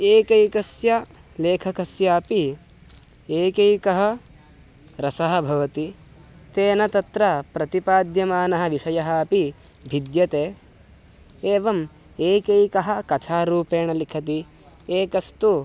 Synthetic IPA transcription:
eːkɐjkɐsjɐ | leːkʰɐkɐsjaːpi | eːkejkɐɦɐ̆ | ɾɐsɐɦɐ̆bʱɐʋɐt̪i | t̪eːnɐt̪ɐt̪ɾɐpɾɐt̪ipaːd̪jɐmaːnɐɦɐ̆ʋiʃɐjɐɦɐːpi | bʱid̪jɐt̪eː | eːʋɐm | eːkɐjkɐɦɐ̆kɐt͡ʃʰaːɾuːpeːɳɐlikʰɐt̪̬i | eːkɐst̪u

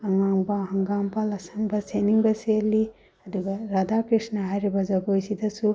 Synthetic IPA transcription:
ɐŋaŋbɐɦɐŋɡambɐlɐsɐŋbɐseniŋbɐseli | ɐd̪uɡɐɾad̪akɾisnɐɦajɾibɐzɐɡojsid̪ɐsu

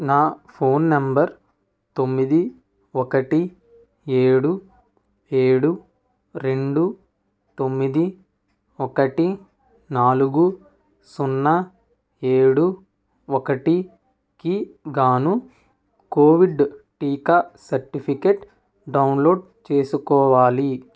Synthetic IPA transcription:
naːpʰoːnːɐmbɐɾ | t̪o̞mːid̪i | ɔkɐʈi | eːɽu | eːɽu | ɾe̞ɳɖu | t̪omːid̪i | ɔkɐʈi | naːluɡu | sunːɐ | eːɽu | ɔkɐʈi | kiɡaːnu | koːʋiɖʈiːkasɐɾʈipʰikeʈ | ɖɐwnlo̞ːɖ | t͡ʃe̞ːsukɔːʋaːli

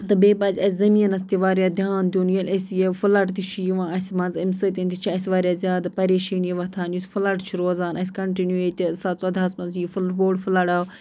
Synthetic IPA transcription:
t̪ɐbeːbɐzʲɐsʲzɐmiːnɐst̪iʋaːɾjaːd̪ʱjaːnd̪unjɐlʲɐsjefʊlɐʈt̪it͡ʃʰijiʋãːɐsʲmɐnzimsɐt̪int̪it͡ʃʰiɐsʋaːɾʲjaːzʲjaːd̪pɐɾeːʃiːnjiʋɐt̪ʰaːnjusfʰʊlɐʈt͡ʃʰuɾoːzaːnʔɐskɐɳʈinjueːt̪isaːt͡sɐd̪ɐːsmɐnzjifʊlboːɖfʊlaɽaː

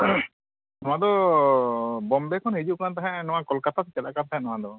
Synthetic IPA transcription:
nɔwad̪ɔ | bɔmbɛkʰɔnhid͡ʒuʔkant̪aɦɛ̃ʔnɔwakɔlkat̪asɛt͡ʃɛlakant̪aɦɛ̃ʔnɔwad̪ɔ

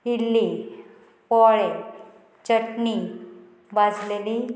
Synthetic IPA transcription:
ilːi | pɔɭe | t͡ɕəʈni | bad͡zleli

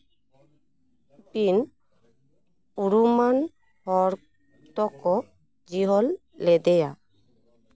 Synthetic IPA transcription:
pin | uɾuman | hɔɾ | t̪ɔkɔ | d͡ʒiɦɔlː | ɛd̪ɛja

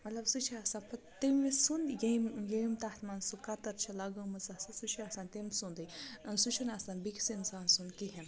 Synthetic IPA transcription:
mɐt̪lɐbsut͡ʃʰiaːsaːnpʰɐ | t̪emʲisunjɐimjeimt̪aht̪ʰmaːnsukɐt̪ɐɾt͡ʃʰilɐɡɐmɐzasɐsut͡ʃʰiaːsaːnt̪emsund̪ɐjnsut͡ʃʰunaːsaːnbiksinsaːnsunkiɦin

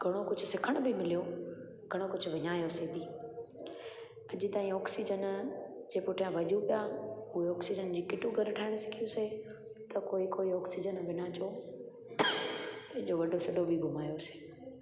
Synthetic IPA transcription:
ɡʱɐɽ̃okʊd͡ʑʱʊ̆sɪkʰəɽ̃bʱɪmɪlijo | ɡʱɐɽ̃okʊd͡ʑʱʊ̆ʋɪɲaːjosebiː | ɐʄɪt̪aːĩɔːksid͡ʑənd͡ʑeːpʊʈʰijãʋɐʄupijauɦeɔːksid͡ʑənd͡ʑiːkɪʈuɡʱɐɾʈʰaːɪɽ̃sɪ̥kʰijose | t̪ɐkoːikoːiɔːksid͡ʑənbʱɪnaːt͡ɕʰo | pɐ̃ɦɪ̃ɲd͡ʑoʋɐɖʱosɐɗobʱiɡʱʊmaːjose̥ː

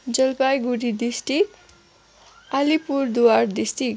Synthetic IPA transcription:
d͡zʌlpajɡuɾid̪isʈik | alipuɾd̪uward̪isʈik

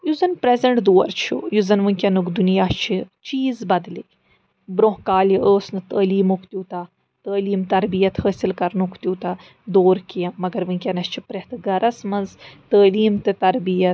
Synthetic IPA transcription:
juzɐnpɾezɐɳʈd̪oːɾt͡ʃʰṵjuzɐnʋɨŋʲkʲɐnukd̪unijaːt͡ʃʰit͡ʃiːzbɐd̪likʲ | bɾõɦkaːliʔəːsnɨt̪əːliːmokʰt̪ʲuːt̪a | t̪əːliːmt̪ɐɾbijɐt̪həːsilkɐɾnukʰt̪ʲuːt̪a | d̪oːɾkijɐ̃mɐɡɐɾʋɨŋkʲɐnɐst͡ʃʰipɾeht̪ɨɡɐɾɐsmɐnzt̪əːliːmt̪ɨt̪ɐɾbijɐt̪

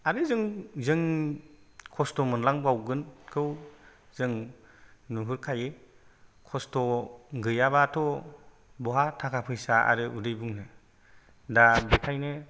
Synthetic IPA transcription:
aɾɯzɯŋzɯŋ | kʰɔstɔmɯnlaŋbawɡɯnkʰɯwzɯŋ | nuɦɯɾkʰaje | kʰɔstɔɡɯjabatʰɔ | bɔɦatʰakʰapʰɯjsaa̰ɾɯudɯjbuŋnɯ | dabekʰajnɯ

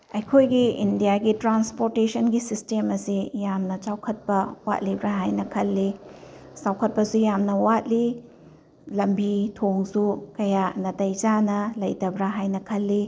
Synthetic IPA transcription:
ɐjkʰojɡiindijaɡitɾanspoɾtesɐnɡisistemɐsijamnɐt͡ʃawkʰɐt̚pɐwa̰t̚libɾaɦajnɐkʰɐlːi | t͡ʃawkʰɐt̚pɐsujamnɐwat̚li | lɐmbitʰoŋsukɐjanɐtɐjd͡ʒanɐlɐjtɐbɾaɦajnɐkʰɐlːi

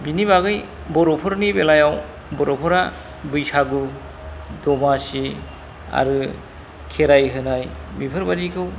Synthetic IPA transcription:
biniβaɡɯj | bɔɾɔpʰɯɾnibelajaw | bɔɾɔpʰɔɾa | bɯjsaɡɯ | dɔmasi | a̰ɾɯ | kʰeɾajɦɯnajbipʰɯɾbadikʰɯw

